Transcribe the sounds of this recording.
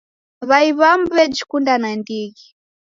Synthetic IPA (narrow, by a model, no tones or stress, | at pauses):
βaiβam̩bɛd͡ʒikundanandiɣi